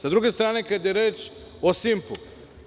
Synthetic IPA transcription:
sad̪ɾuɡest̪ɾaːnekad̪jeɾeːt͡ʃ | osimpu

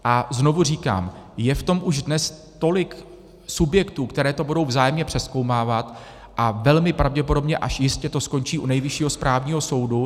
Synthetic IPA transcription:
ʔazno̞vur̝iːka̰ːmjɛft̪o̞mʔuʒdnɛs | t̪o̞lɪk | subjɛkt̪uːkt̪ɛɾɛːt̪o̞budo̞wvzaːjɛmɲɛpr̝̥ɛsko̞wmaːvat̪ | ʔavɛlmɪpɾavɟɛpo̞do̞bɲɛʔaʃjɪscɛt̪o̞sko̞ɲt͡ʃiːʔunɛjvɪʃiːɦo̞spɾʔaːvɲiːɦo̞so̞wdu

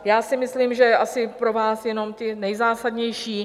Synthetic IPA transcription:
jaːsɪmɪsliːmʒɛjɛʔasɪpɾo̞vaːsjɛno̞mt̪ɪnɛjzaːsadɲɛjʃiː

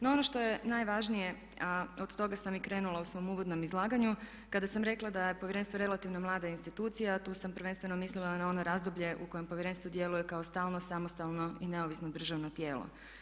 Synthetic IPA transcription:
noo̞no̞ʃt̪o̞jenajʋaʒnije̞ | aod̪t̪o̞ɡasamikɾe̞ːnulˠausʋo̞muʋo̞d̪nomizlˠaːɡaɲu | kad̪asamɾe̞klˠad̪aje̞poʋjeɾe̞nst̪ʋo̞ɾe̞lat̪iʋnomlˠaːd̪ainst̪it̪uːt̪sijat̪uːsampɾ̩ʋenst̪ʋe̞nomislilanao̞noɾaːzd̪obʎe̞ʔuko̞jempojeɾe̞nst̪ʋo̞d̪je̞lujekaost̪aːlˠno̞samo̞st̪alˠno̞ine̞oʋisnod̪r̩ʒaʋno̞t̪je̞ːlo̰

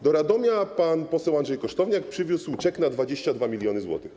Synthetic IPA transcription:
d̪ɔɾad̪ɔmʲjapanpɔsɛwanʐɛjkɔʂt̪ɔvɲak̚pʂɘvʲuswt͡ʂɛknad̪vad͡ʑeɕt͡ɕad̪vamʲilʲjɔnɘzwɔ̰t̪ɘx

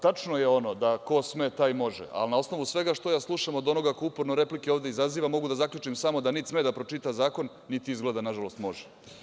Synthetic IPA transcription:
t̪at͡ʂno̞je̞o̞no̞d̪ako̞smet̪ajmo̞ʐḛʔa̰lnao̞sno̞ʋusʋe̞ɡaʂt̪o̞jaːslˠuʃamod̪o̞no̞ɡakoupoɾno̞ɾe̞plikeoʋvd̪eizaziːʋamo̞ɡud̪azakʎʲut͡ʂimsamo̞d̪anit̪smed̪apɾot͡ʂiːt̪azaːko̞nːit̪iizɡled̪anaʒalo̞st̪mo̞ʒɛ

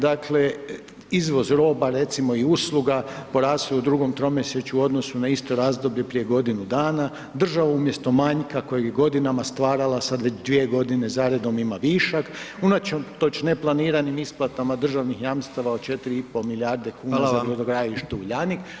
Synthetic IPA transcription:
d̪akʰle̞ | izʋo̞zɾo̞ːbaɾe̞t̪simo̞iuslˠuɡapo̞ɾaːsoud̪ɾuɡo̞mt̪ɾo̞mjeset͡ʃuuo̞d̪no̞sunaist̪o̞ɾaːzd̪o̞bʎe̞pɾije̞ɡo̞d̪inud̪aːna | d̪r̩ʒaʋaumje̞st̪o̞maɲkako̞jeɡjeɡo̞d̪inamast̪ʋaːɾalasad̪ʋe̞t͡ʃd̪ʋie̞ɡo̞d̪ine̞zaːɾe̞d̪o̞mimaʋiʃakunat͡ʃemt̪o̞t͡ʃne̞plˠaniːɾanimisplˠat̪amad̪r̩ʒaʋnixjamst̪aʋaot͡ʃe̞t̪iɾiipo̞miljaɾd̪e̞kuːnazaiod̪oɡɾaːliʃt̪euʎanik

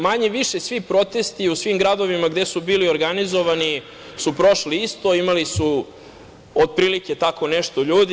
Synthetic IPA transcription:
maɲeʋiʃesʋipɾo̞t̪est̪iusʋimɡɾad̪o̞ʋimaɡd̪esubiːlioɾɡanizo̞ʋani | supɾo̞ʃliist̪oimalisu | od̪̚pɾiːlike̞t̪ako̞neʃt̪o̞ʎuːd̪i

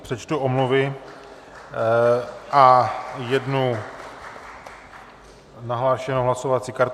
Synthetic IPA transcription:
pr̥ɛt͡ʃt̪uʔomluvɪ | ʔajɛdnu | naɦlaːʃɛnoɦlaso̞vat͡siːkaɾ

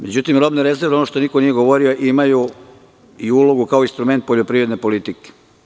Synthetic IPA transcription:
me̞d͡ʑut̪imɾo̞bniɾe̞zeɾʋonoʃt̪o̞niko̞nije̞ɡo̞ʋo̞ɾio̞ʔimaju | iuloɡukaoinst̪ɾume̞nt̪̚po̞ʎopɾiʋɾed̪nepo̞lit̪ike̥

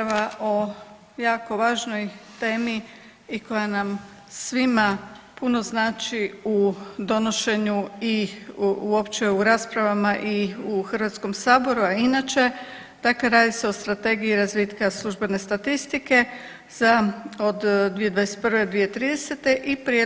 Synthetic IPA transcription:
aʋaʔo̞ | jaːko̞ʋaːʒno̞jt̪e̞ːmi | iko̞janam | sʋimapuno̞znaːt͡ʃiud̪o̞no̞ʃe̞ɲui | uo̞pt͡ʃe̞uɾaːspɾaʋamaʔiuxrʋat̪sko̞msaːbo̞ɾuainat͡ʃe̞ | d̪̥akle̞ɾaːd̪iseo̞st̪ɾat̪e̞ɡiiɾazʋiːt̪kaslˠuʒbe̞ne̞st̪at̪ist̪ike̞ | zaod̪d̪ʋije̞d̪ʋajeset̪̚pɾrʋe̞od̪ʋijet̪ɾiːd̪e̞se̞t̪e̞ʔipɾie

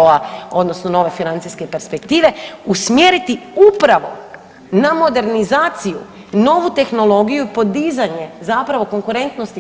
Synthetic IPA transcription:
oao̞d̪no̞snono̞ʋe̞finant̪siske̞pe̞ɾspe̞k̚t̪iːʋe̞usmjeːɾit̪iupɾaʋo̞ | namo̞d̪e̞ɾnizaːt̪sijṵ | no̞ʋut̪e̞xnolˠo̞ɡijuipo̞d̪izaɲe̞zapɾaʋo̞ko̞ŋkuɾe̞nt̪nost̪i

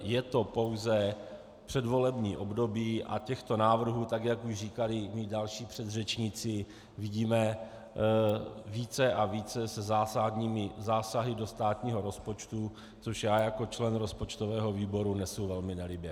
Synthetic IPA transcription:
jɛt̪o̞po̞wzɛ | pr̝̥ɛdvo̞lɛbɲiːʔo̞bdo̞biːʔa̰cɛxt̪o̞naːvr̩ɦuːt̪akjakuʒriːkalɪmidalʃiːpr̝̥ɛd̪rɛt͡ʃɲɪt͡sɪ | viɟiːmɛ | viːt͡sɛʔaviːt͡sɛsɛzaːsadɲiːmɪzaːsaɦɪdo̞st̪aːt̪ɲiːɦo̞ɾo̞spot͡ʃt̪u | t͡soʃjaːjako̞t͡ʃlɛnɾo̞spo̞t͡ʃt̪o̞vɛːɦo̞viːbo̞ɾunɛsowvɛlmɪnɛlɪbjɛ

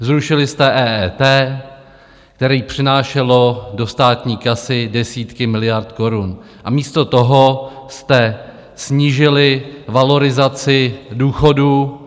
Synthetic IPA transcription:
zɾuʃɪlɪst̪ɛʔɛːʔɛt̪ɛː | k̚t̪ɛɾiːpr̝̥ɪnaːʃɛlo̞do̞st̪aːt̪ɲiːkasɪdɛsiːt̪kɪmɪlɪjaɾt̪ko̞ɾun | ʔamiːst̪o̞t̪o̞ɦost̪ɛ | sɲiːʒɪlɪvalo̞ɾɪzat͡sɪduːxo̞duː

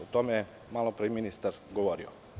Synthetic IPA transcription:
ot̪omeje | maːlopɾeminist̪aɾɡoʋoɾio̰

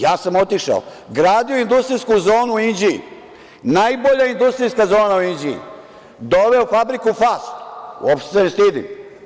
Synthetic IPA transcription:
jaːsamot̪iʃa̰o̰ | ɡɾaːd̪ioind̪ust̪ɾijskuzo̞ːnuind͡ʑiḭ | najbo̞ʎaind̪ust̪ɾijskazo̞ːnauind͡ʑiḭ | d̪oʋe̞ofabɾikufast̪wopʃt̪esenest̪id̪ḭm

